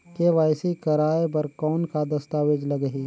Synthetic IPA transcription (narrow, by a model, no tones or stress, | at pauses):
keʋaːɪsikɐɾaːep̬ɐɾkɔːnkad̪ɐst̪aːʋed͡ʒlɐɡəɦiː